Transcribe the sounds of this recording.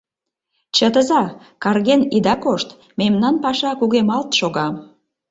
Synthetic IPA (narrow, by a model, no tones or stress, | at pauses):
t͡ɕət̪əzɑ | kɑrɣenid̪ɑkoʃt̪ | memnɑnpɑʃɑkuɣemɑlt̪ʃoɣɑm